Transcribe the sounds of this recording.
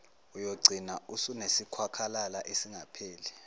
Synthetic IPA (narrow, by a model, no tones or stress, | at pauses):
ujoɡ͡ǀʱinausunesikʰwakʰalalaʔesiŋʱapʰeːlɛ